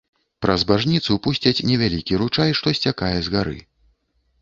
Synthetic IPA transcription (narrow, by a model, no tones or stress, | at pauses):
pɾɐzbaʐnʲit̪supusʲt͡sʲɐt͡sʲnʲɛvʲalʲikʲiɾut͡ʂajʂt̪ɔsʲt͡sʲakajɛzɣaɾɨ̰